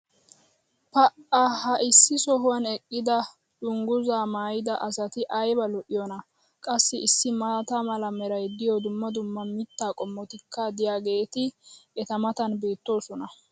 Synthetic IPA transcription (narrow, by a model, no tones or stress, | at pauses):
pɐʔɐhɐʔɪsːɪsɔɦʊwɐnɛkʼːɪd̪ɐ | d̪̥ʊŋɡʊzaːmaːjɪd̪ɐʔɐsɐt̪ɪʔɐjbɐlɔʔɪjɔnɐ | kʼɐsːɪɪsːɪmɐt̪amɐlɐmɛɾɐjd̪ɪjɔd̪ʊmːɐd̪ʊmːɐmɪt̪ːaːkʼɔmːɔt̪ɪkːɐd̪ɪjaːɡe̞ːt̪ɪʔɛt̪ɐmɐt̪ɐnbe̞ːt̪ːo̞ːsɔnɐ